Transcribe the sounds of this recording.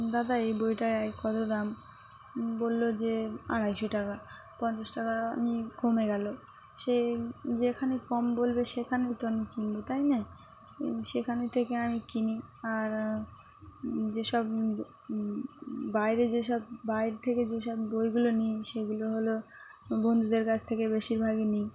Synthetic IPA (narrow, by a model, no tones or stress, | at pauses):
d̪ad̪aejbojʈaakɔd̪od̪am | bolːod͡ʑea̰ɽajʃoʈaka | pɔnt͡ɕasʈakaa̰mikʰomeɡɛlo | ʃed͡ʑekʰanekɔmbolbeʃekʰanet̪oamikinbot̪ajna | ʃekʰanet̪ʰekeamikiniaɾ | d͡ʑeʃɔb | bajɾed͡ʑeʃɔbːajɾt̪ʰeked͡ʑeʃɔbbojɡulonijʃeɡuloɦolobond̪ʱud̪eɾkat͡ɕʰt̪ʰekebeʃiɾbʱaɡenij